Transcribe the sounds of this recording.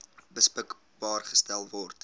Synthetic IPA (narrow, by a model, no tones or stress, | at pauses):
bəspək | bɑːrχə̥stælˠvɔrt